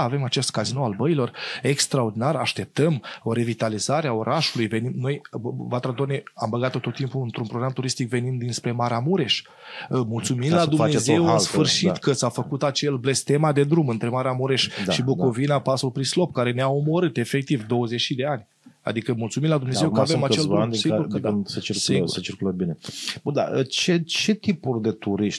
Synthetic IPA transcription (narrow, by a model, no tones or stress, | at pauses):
ave̞mat͡ʃe̞st̪̚kazinoalbəilo̞re̞kst̪ɾao̞rd̪inaɾa̰ʃt̪e̞p̚t̪əmoɾe̞vit̪alizaɾeao̞ɾʔaʃulujve̞nimno̞jvat̪ɾad̪oneambəɡat̪o̞t̪o̞t̪ːimpuɨnt̪ɾunpɾoɡɾamt̪uɾist̪ikve̞nimd̪inspɾe̞maɾamuɾe̞ʃ | mult̪suminlad̪umeze̞wansffɨrʃit̪kət̪safəkut̪at͡ʃe̞lble̞st̪e̞mad̪e̞d̪ɾumɨnt̪ɾemaɾeamuɾe̞ʃd̪aʃiboko̞vinapasulpɾislo̞pkaɾe̞neaomo̞ɾɨt̪e̞fe̞k̚t̪ivd̪owəze̞t͡ʃid̪e̞anʲ | a̰d̪ikəmult̪suminlad̪umnezewkavemat͡ʃevsiɡuɾd̪nsət͡ʃissiŋɡuɾsət͡ʃirkulət̪̚binebund̪a̰ət͡ʃet͡ʃe̞t̪ipurʲd̪e̞t̪uɾiʃt̪ʲ